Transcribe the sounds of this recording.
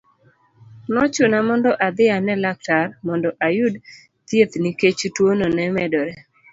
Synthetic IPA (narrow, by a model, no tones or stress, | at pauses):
nɔt͡ʃʊnamɔndɔʔad̪ɪanɛlak̚tarmɔndɔʔajʊd | t̪jet̪niket͡ʃutwononɛmɛdɔɾɛ